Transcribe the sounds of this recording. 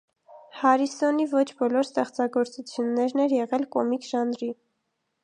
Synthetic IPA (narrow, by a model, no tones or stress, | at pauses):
hɑɾisɔnivɔt͡ʃʰbɔlɔɾst̪ɛχt͡sɑɡɔɾt͡sut͡sʰjunːɛɾnɛɾjɛʁɛlkɔmikʒɑnɾi